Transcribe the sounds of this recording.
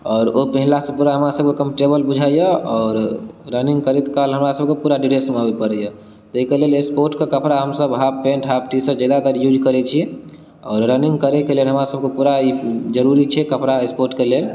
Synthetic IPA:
ɔːɾopəɦilasə̃puɾaɦəmɾasəb̚kekə̃mpʈebəlbud͡ʒʱajəɔːɾːəniŋɡkəɾɛt̪kalɦəmɾasəb̚kepuɾaɖiɾesəmabepəɾəjə | t̪əɦikelelespoɾʈkekəpɾaɦəmsəbɦappːẽɳʈɦap̚ʈisəd͡ʒed̪at̪əɾjud͡ʒkəɾɛt͡ʃʰi | ɔːɾːəniŋɡkəɾekelelɦəmɾasəbkepuɾaid͡ʒəɾuɾit͡ʃʰɛkəpɾaespoɾʈkelel

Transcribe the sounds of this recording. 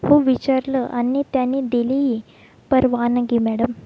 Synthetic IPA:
hoʋit͡ɕaɾləʔanːit̪janːid̪iliɦi | pəɾʋanəɡimæɽəm

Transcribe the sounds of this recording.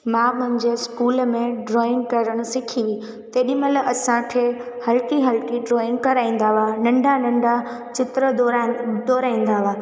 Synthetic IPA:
mãːmʊɦɪ̃ɲd͡ʑeːskuːlmẽɖɾɔːɪ̃ŋɡkɐɾəɽ̃ʊ̃sɪkʰĩ | t̪eːɗɪməlɐsãkʰehɐlkiɦɐlkiɖɾɔːɪ̃ŋɡ̚kɐɾaːĩːn̆d̪aʋanɐ̃ɳɖʱanɐ̃ɳɖat͡ɕɪt̪ɾə | d̪ɔːɾaːĩːn̆d̪aʋaː

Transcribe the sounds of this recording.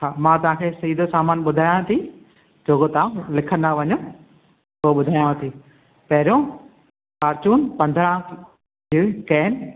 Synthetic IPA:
xaːmãːt̪ɐʋ̤ãːkʰeːsɐiːd̪ʱosaːmaːnɓʊd̪ʱaːjãt̪ʰi | d͡ʑoːkot̪aãlɪkʰənd̪aʋɐɲõ | poːɓʊd̪ʱaːjãt̪ʰiː | pɐɦɪɾõ | kaːɾt͡ɕuːnpɐ̃nd̪ʱɾã | iːkɛːn

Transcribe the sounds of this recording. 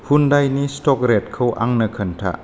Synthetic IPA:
hundajnistɔk̚ɾet̚kʰəwʔa̰ŋnɐkʰəntʰa̰

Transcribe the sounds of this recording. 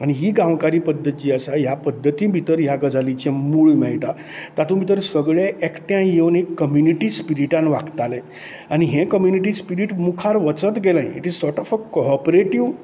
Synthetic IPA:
añiɦiːɡãʋkaɾiːpəd̪ʱːət̪iːəsajapəd̪ʱːət̪ĩbʱit̪əɾjaɡəd͡zalit͡ɕẽmuɭmɛɭʈa | t̪at̪ũbʱit̪əɾsəɡɭeʔekʈjãjenikːəmjuniʈispiɾiʈãnʋakt̪ale | añiɦẽkəmjuniʈ̬ispiɾiʈmukʰaɾʋət͡sət̪ɡelãj̃ḭʈizsɔɾʈɔfəkopɾeʈiʋ

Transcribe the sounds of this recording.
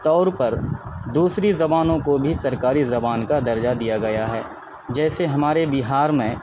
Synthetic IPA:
t̪ɔːɾpɐɾd̪uːsɾizɐbaːnõkobʱisɐɾkaːɾizɐbaːnkad̪ɐɾd͡ʒad̪ijaɡɐjaɦɛː | d͡ʒɛːseɦɐmaːɾebɪɦaːɾmẽ

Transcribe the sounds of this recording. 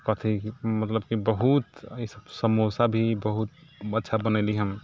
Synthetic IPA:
kɔt̪ʰimət̪ləbkibəɦut̪isəbsəmosabʱibəɦut̪̚ətːʃʰabənɛliɦəm

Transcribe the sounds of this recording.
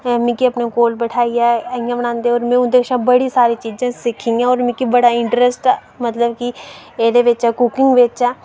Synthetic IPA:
mɪ̃kiəpnẽkoːlbəʈʰaːiɛːəɪjãbəñãːnd̪eɔːɾmẽʊd̪eːkʃãbəɽisaːɾit͡ʃiːd͡ʒãːsɪkʰːĩãːɔːɾmɪ̃kibəɽaɪ̃ɳʈɾɛsʈɛː | mət̪ləbkieːd̪eʋɪt͡ʃɛːkʊkɪ̃ŋɡʋet͡ʃɛː

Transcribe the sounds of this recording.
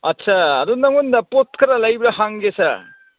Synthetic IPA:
ɐtːsʰaːɾunɐŋundɐpot̚kʰɐɾɐlɐjbɾɐhaŋɡesɐ

